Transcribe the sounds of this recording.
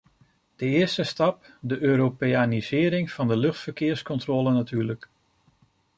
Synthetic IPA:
d̥əɪəstəstɑp̚ | dəʔøːɾopeanizɪːɾɪŋfɑndəlɵxtfərkɪːɹskɔntrolˠənatʰyːlək

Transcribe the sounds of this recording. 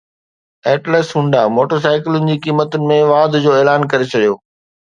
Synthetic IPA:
ɛːʈleːsɦũɳɖamoːʈəɾs̬aːɪkɪlʊnɪ̆d͡ʑiːkiːmət̪ʊnɪ̆mẽʋaːd̪ʱd͡ʑoːeːlaːnkɐɾet͡ɕʰɐɗijoː

